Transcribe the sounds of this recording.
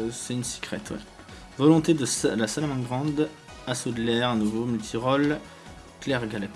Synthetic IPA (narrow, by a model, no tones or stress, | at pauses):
sɛynsi̥kχɛt̪wɛ̰ | vɔlɔ̃t̪ed̪əslasalamɑ̃ɡʁɑ̃d̪ | asod̪lɛʁɛ̃nuvomylt̪ʰiʁɔl | klɛʁɡalɛp